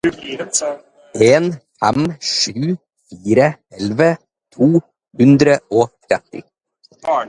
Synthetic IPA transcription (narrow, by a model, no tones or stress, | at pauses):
ʔeːnfɛmʂʉː | fiːɾəɛlʋə | t̪ʰuː | hʉnd̪ɾəoːt̪ʰɾɛt̪ːɪ̰